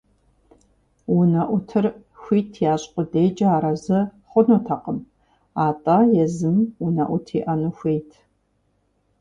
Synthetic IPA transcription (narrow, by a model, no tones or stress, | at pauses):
wʊnɐʔʷʊtʰɨrxʷiːtʰjaːɕʼqʷʼʊdeːd͡ʒʼɐaːɾɐzɐχʷʊnutʰɐqʼəm | aːtʼajɛzɨmwunɐ̰ʔʷʊtʰiːʔɐnuxʷejtʰ